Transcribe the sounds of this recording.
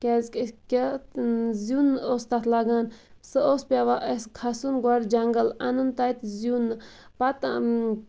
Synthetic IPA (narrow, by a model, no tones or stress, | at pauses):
kʲezkʲkʲe | zunost̪at̪ʰlaɡaːn | sɨoːspʲaʋaʔeskʰɐsunɡaɾʲd͡ʒɐŋɡəlɐnunt̪ait̪zjunpɐt̪